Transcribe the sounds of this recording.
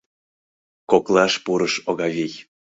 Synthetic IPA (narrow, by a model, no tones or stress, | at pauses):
koklˠɑʃpuɾəʃoɣɑvʲij